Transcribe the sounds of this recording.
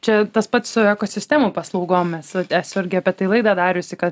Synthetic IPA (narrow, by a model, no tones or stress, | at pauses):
t͡ʃʲɛt̪ɐspɐt̪ssʊɛkoːsʲɪsʲt̪ʲæːmuːpɐslˠɐʊɡoːmmʲɛsɐt̪æsʲɪɾʲɡʲɪɐpʲɛt̪ɐɪlˠɐɪd̪ɑd̪ɑːɾʲʊsʲɪkɐt̪